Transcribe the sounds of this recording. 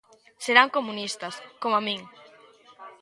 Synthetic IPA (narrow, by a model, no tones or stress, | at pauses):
seɾaŋkomunist̪ɐskomamĩŋ